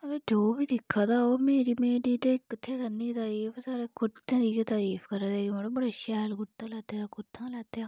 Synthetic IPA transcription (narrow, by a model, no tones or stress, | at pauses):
ət̪eːd͡ʒoːbiːd̪ɪkʰːaːt̪aːoːmeːɾiːmeːɾiːt̪eːkɪt̪ʰːeːkənːiːt̪aːɾiːfʰsaːɾeːkʊt̪ẽːd̪iːkːt̪aːɾiːfʰkəɾad̪eːɡemeɽoːbəɽeːʃɛːlkʊt̪ãːlɛːt̪eaːkʊt̪ʰːãːlɛːt̪eːaː